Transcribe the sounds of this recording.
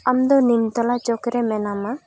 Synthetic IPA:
amd̪ɔnimt̪ɔlat͡ʃɔkɾɛmɛnama

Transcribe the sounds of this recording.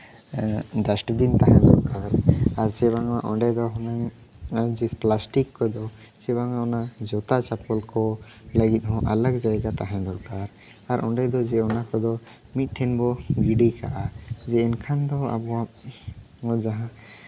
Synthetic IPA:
ɖasʈbint̪aɦãd̪ɔɾkaɾaɾt͡ʃɛbaŋaʔɔɳɖɛd̪ɔɦɔnaŋ | ad͡ʒisplasʈikːɔd̪ɔ | t͡ʃɛbaŋaɔnad͡ʒɔt̪at͡ʃapɔlkɔ | ləɡit̪̚ˀɦɔ̃ʔaləɡd͡ʒajɡat̪aɦãd̪ɔɾkaɾ | aɾʔɔ̃ɖɛd̪ɔd͡ʒɛɔnakɔd̪ɔ | mit̪̚ˀʈʰːɛnbɔɡiɖikʰa̰ʔad͡ʒɛːnkʰand̪ɔa̰bɔa | ɔd͡ʒaɦã

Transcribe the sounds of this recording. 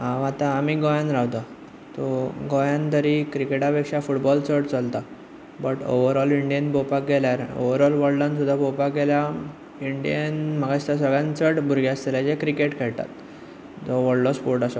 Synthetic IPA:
ɦãʋat̪aːmiɡɔjãnɾawt̪a | t̪ɔɡɔjãnt̪əɾikɾikeʈapekʂafuʈbɔlt͡səɽt͡səlt̪a | bəʈo̰ʋəɾɔliɳɖijənbopak̚ɡeljaɾo̰ʋəɾɔlʋəɽɖãns̬ud̪ʱːabopakɡelja | iɳɖijənmaɡaɕt̪as̬əɡɭjãnt͡səɽbʱuɾɡjast̪eljad͡ʑekɾikeʈkʰɛɭt̪a̰t̪ | d͡zɔʋəɽlɔspoɾʈasɔ

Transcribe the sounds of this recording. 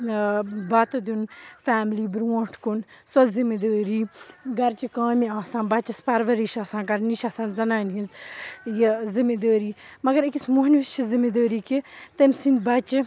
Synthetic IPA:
bɐt̪ɐd̪unfaːmliːbɾuõːʈʰkunsɐzimid̪əːɾiːɡɐɾt͡ʃikãːmiaːsãːnbɐt͡ʃɐspɐɾʋɐɾiʃaːsãːkɐɾniʃasãːzɐnaːnɦinzjizimid̪əːɾiːmɐɡɐɾikismuːɦnʋit͡ʃʰizimid̪əːɾiːkit̪ɐmsind̪bɐt͡ʃ

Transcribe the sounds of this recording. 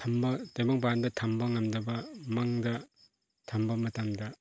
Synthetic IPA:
tʰambɐtajbaŋpandɐtʰambɐŋɐmdɐbɐmaŋdɐ | tʰambɐmɐtamdɐ

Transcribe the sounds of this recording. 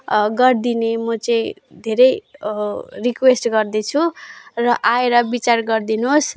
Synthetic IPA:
ɡʌrd̪inemʌt͡sʌĩd̪ʱeɾʌj | rikwesʈɡʌrd̪et͡sʰurʌʔaeɾʌbit͡sarɡʌrd̪inos

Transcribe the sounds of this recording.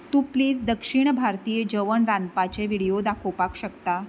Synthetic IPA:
t̪uːpliːd͡zd̪əkʂiɳ̃bʱaɾt̪iːjəd͡ʑəʋəɳɾãnd̪pat͡ɕeʋiɽijod̪akʰopakɕəkt̪a

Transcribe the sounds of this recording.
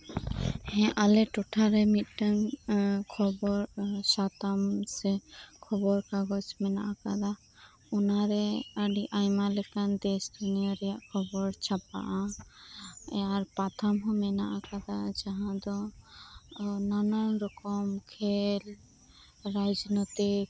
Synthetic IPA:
hɛ̃ʔalɛʈɔʈʰaɾɛmit̪̚ˀʈəŋkʰɔbɔɾsat̪amsɛkʰɔbɔɾkaɡɔt͡ʃmɛna̰ʔakad̪a | unaɾɛəɖiʔajmalɛkand̪ɛsd̪unijɔɾɛjaʔkʰɔbɔɾt͡ʃʰap̚a̰ʔã | aɾpat̪ʰamɦɔ̃mɛnaʔakad̪ad͡ʒaɦãd̪ɔ | nananɾɔkɔmkʰɛl | ɾajd͡ʒnɔt̪ik

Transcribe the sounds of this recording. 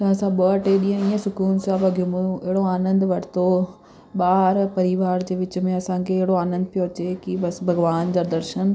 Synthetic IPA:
t̪ɐãsãɓɐʈeɗĩːə̃iːə̃sʊkuːnsaːbɐɡʱijũmũjũɪɦɪɽoaːnə̃nd̪ʋɐʈʰɪ̥t̪o | ɓaːɾpɐɾiʋaːɾd͡ʑeːʋɪt͡ɕʊmẽɐsãːkʰeːɐɦɪɽoaːnə̃nd̪̚pijot͡ɕeːkibɐsbʱɐɡʋaːndɐɾd̪ɐɾʃən

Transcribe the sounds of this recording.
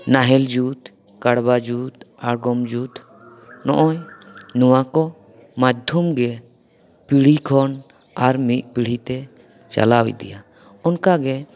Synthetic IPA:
naɦɛld͡ʒut̪ | kaɽbad͡ʒut̪aɾɡɔmd͡ʒut̪ | nɔʔɔjnɔwakɔ | mad̪ʱumɡɛ | piɽ̤ikʰɔn | aɾmiʔ̪̚piɽ̤it̪ɛ | t͡ʃa̰lawḭd̪ḭja | ɔnkaɡɛ

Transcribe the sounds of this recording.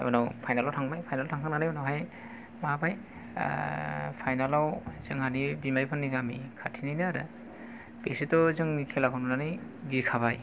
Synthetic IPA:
bɯnawpʰajnalawtʰaŋbajpʰajnaltʰaŋkʰananaibɯnɔɦaj | mabaj̰ | pʰajnalawz̥ɯŋhanibimaɾipʰanːiɡamikʰatʰinajnɯaɾɯ̰ | besitɔzɯŋikʰelakʰɔnunanɯj | ɡikʰaβaj

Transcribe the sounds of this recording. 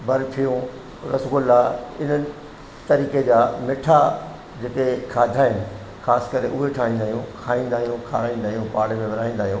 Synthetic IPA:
bɐɾpʰijũ | ɾɐsɡʊlaɪn̤ənɪ̆ | t̪ɐɾiːked͡ʑaːmɪʈʰa | d͡ʑekekʰaːd̪ʱaɦɪnɪ̆ | xaːskɐɾeʔʊɦeʈʰaːĩːnd̪aːɦijũkʰaːĩːn̆d̪aːɦijũkʰaːɾaːĩːnd̪aːɦijũpaːɽemẽʋɐɾaːĩːn̆d̪aːɦijũː

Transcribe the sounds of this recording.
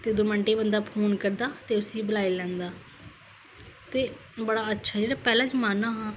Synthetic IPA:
t̪eːd̪oməɳʈeːbənd̪aːpʰoːnkəɾd̪aːt̪eːʊsiːbəlaːiːlɛ̃ːnd̪aː | t̪eː | bəɽaːətːʃʰaːd͡ʒeːɽaːpɛːlãːd͡ʒmaːnaːɦãː

